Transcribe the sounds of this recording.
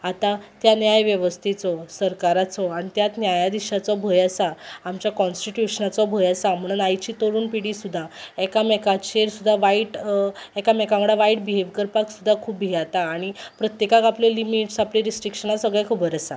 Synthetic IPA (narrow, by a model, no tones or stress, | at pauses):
at̪at̪janjajʋjəʋəst̪ʰit͡sɔsəɾkaɾat͡sɔaɽ̃it̪jat̪njajad̪iɕat͡sɔbʱəjasaːmt͡ɕjakɔnsʈiʈjuɕənat͡sɔbʱəjasam̤əɽ̃unajt͡ɕiːt̪oɾuːnpiɽisud̪ʱːaɛkamɛkat͡ɕeɾsud̪ʱːaʋaiʈɛkamɛkaməɽaʋaiʈ̚biɦeʋkəɾpaksud̪ʱːakʰuːpːiɦat̪aːɽ̃ipɾət̪jekakapljɔlimiʈsapliɾisʈɾikʂənasəɡɭɛkʰəbəɾəsa